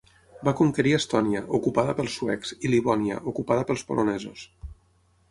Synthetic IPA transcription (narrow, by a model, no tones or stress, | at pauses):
bakuŋkəɾiəst̪ɔniəʔukupaðəpəlˠsːuɛksiliβɔnjə̰ʔukupaðəpəlˠspo̰lʔonɛzus